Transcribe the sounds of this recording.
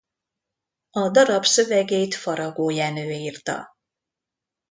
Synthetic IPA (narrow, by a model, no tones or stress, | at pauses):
ɒd̪ɒɾɒbsø̞vɛɡeːjt̪fɒɾɒɡoːjaːnøːiːrt̪ɒ̰